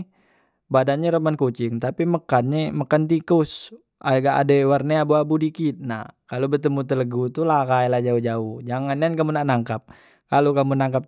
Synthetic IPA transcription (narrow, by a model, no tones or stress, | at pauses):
badanɲaɾəmankut͡ʃɪŋt̪apiməkanɲɛməkant̪ikʊs | ʔaɡaʔa̰dewarneabuabudikit̪̚nakalobət̪əmut̪ələɡut̪ulakajlahd͡ʒaud͡ʒaʊhd͡ʒaŋanankamunaʔnaŋkap̚ | kalokamunaŋkap̚